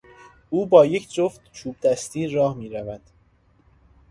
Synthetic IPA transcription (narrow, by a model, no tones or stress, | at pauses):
uːbɒːje̞cʰd͡ʒoft̪t͡ʃʰuːb̚d̪æst̪iːɾɒːhmiːɾævæd̪̥